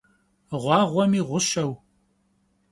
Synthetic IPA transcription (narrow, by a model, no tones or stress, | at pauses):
ʁʷɑːʁʷɔmiːʁʷʊʃɐw